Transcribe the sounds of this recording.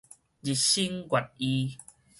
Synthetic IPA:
d͡ʑi˨t̚ɕi˦ŋɡwa˨t̚i˦

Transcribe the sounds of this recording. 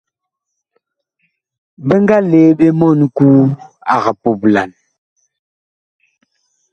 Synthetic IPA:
bə˦ŋɡa˦le˨˦ɓe˦mɔ˦˨nkuː˦a̰˨ɣa˨po˨bla˨n

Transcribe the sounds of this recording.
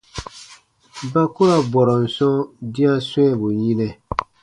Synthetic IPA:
ba˦kʊ˦ɾa˦bɔ˨ɾɔ˨n̩˨sɔ̃˦di˦a˦sɔ˦ɛ˦bʊ˨ɲi˦nɛ˦

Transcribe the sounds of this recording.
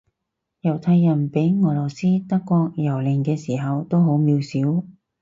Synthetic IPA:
jɐ˨˩wt̪ʰaː˧jːɐ˨˩npe˨˥jŋɔː˨˩lɔː˨˩siː˥t̪ɐ˥kːɔː˧k̚jɐ˨˩wlɪ˨˩ŋkɛː˧siː˨˩ɦɐ˨wt̪o˥wɦo˨˥wmiː˨˧wsiː˨˥w

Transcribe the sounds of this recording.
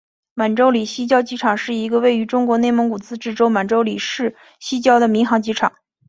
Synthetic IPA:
ma˨˩nʈ͡ʂo˥ʊli˨˩ɕi˥t͡ɕjɑ˥ʊt͡ɕi˥ʈ͡ʂʰɑ˨˩ŋʂɻ̩˥˩i˧˥ɡə˧we˥˩ɪy˧˥ʈ͡ʂʊ˥ŋkwɔ˧˥ne˥˩ɪmɤ˧˥ŋku˨˩t͡sɹ̩˥˧ʈ͡ʂɻ̩˥˩ʈ͡ʂo˥ʊma˨˩nʈ͡ʂo˥ʊli˨˩ʂɻ̩˥˩ | ɕi˥t͡ɕjɑ˥ʊd̪ə˨mi˧˥ŋxɑ˧˥ŋt͡ɕi˥ʈ͡ʂʰɑ̰˨˩˦ŋ

